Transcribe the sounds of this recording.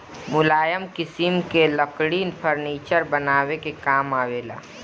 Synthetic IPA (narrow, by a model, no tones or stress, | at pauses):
mʊlaːjəmkɪsimkeləkɽiɪnpʰəɾniːt͡ʃəɾbənaːwekekaːmaːweːla̰ː